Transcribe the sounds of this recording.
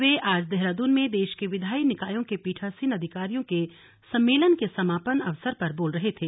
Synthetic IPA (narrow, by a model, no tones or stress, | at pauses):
ʋeʔaːd͡ʒd̪ɛɦɾaːd̪unmẽd̪eːʃkeʋɪd̪ʱaːinɪkaːjõkepiːʈʰasinɐd̪ʱɪkaːɾijõke | sɐ̃mːeːlənkesɐmaːpənɐ̰ʋsəɾpɐɾboːlɾɐɦet̪ʰeː